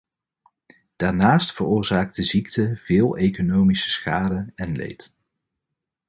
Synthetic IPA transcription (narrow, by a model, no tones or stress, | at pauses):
d̥aːɹnaːstfərʊːɹzaːk̚t̚dəziktʰəv̥ɪːlˠejkonowmisə̥sχaːdəɛnlḛjt